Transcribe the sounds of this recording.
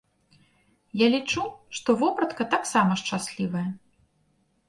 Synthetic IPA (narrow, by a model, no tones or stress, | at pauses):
jalʲit͡ʂuʂt̪ɔvɔpɾɐt̪kɐt̪aksamɐʂt͡ʂasʲlʲivɐjɐ